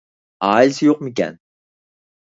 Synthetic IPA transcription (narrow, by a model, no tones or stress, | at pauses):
ɑ̰ːilsɪjoq̚mɪkʲɛ̰n